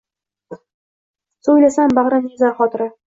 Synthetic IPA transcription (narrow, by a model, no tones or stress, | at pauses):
sɵjlasambaʁɾanɪzaɾχɒt̪ɾɪ